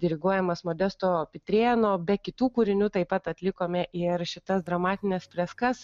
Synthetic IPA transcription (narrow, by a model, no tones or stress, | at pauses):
d̪ʲɪɾʲɪɡuɔjɛmɐsmoːd̪ʲɛst̪oːpʲɪt̪ʲɾʲeːnoːbʲɛkʲɪt̪uːkuːɾʲɪnʲuːt̪ɐɪpɐt̪ɐt̪ʲlʲɪkoːmʲɛʔɪɾʃʲɪt̪ɐsd̪ɾɐmɑːt̪ʲɪnʲɛspʲlʲɛskɐs